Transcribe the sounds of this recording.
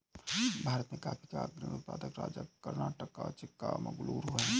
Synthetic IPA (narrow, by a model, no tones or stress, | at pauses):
bʱaːɾət̪mekaːpʰi̥kaɡɾinut̪̚paːd̪əkɾa̰ːd͡ʒəːəɾnaːʈəkːat͡ʃɪkːamɐ̰ɡluːɾuɦɛː